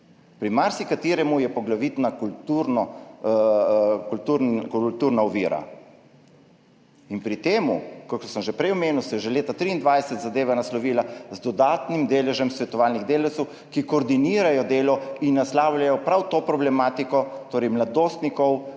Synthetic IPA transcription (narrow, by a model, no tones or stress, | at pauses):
pɾimaɾsikat̪iːɾɛmujɛpɔɡlaʋit̪nakult̪uɾnɔ | kult̪uɾkult̪uːɾnaɔʋiːɾa̰ | inpɾit̪eːmukɔksəmʒɛpɾɛjɔmeːnuwsɛjɛʒɛleːt̪at̪ɾiːnd̪ʋajsɛt̪zad̪eːʋɛnaslɔʋiːlazd̪ɔd̪aːt̪nimd̪eːlɛʒɛmsʋɛt̪ɔʋaːlniɣd̪eːlɛwt̪sɛw | kikoːɾd̪iniːɾajɔd̪eːlɔinːaslaːwlʲjajɔpɾawt̪oːpɾɔblɛmaːt̪ikɔt̪oːɾɛjmlad̪oːst̪nikɔw